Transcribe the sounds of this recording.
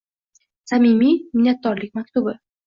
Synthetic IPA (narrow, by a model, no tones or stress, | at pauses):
samimimɪnːat̪̚ːɒɾlɪk̚ʲmakʲt̪ʊbɪ